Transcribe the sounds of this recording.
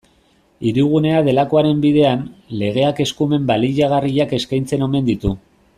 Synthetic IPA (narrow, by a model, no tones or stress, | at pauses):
iɾiɣ̞une̞aðe̞lako̞aɾe̞mbiðe̞anle̞ɣ̞e̞ake̞skume̞mbaliʎaɣ̞ariʎake̞skajnt͡se̞no̞me̞nd̪it̪u